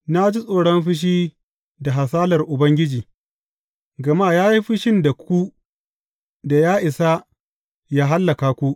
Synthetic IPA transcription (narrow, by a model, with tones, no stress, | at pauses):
na˦d͡ʒi˦sʼoː˨ɽɔ˦mɸɪ˦ʃ̬iː˦ | da˨ɦa˨s̬aː˦lɐ˨rʔʊ˨bɐ˦ŋɡʲɪ˦d͡ʒiː˨ | ɡɐ˨maː˦˨jaː˦ji˦ɸɪ˦ʃɪ˦nda˨kʷu˦ | da˨jaː˦ʔɪ˨sa˦ | jaː˦ɦa˦lːɐ˨kaː˨kʷu˦ʔ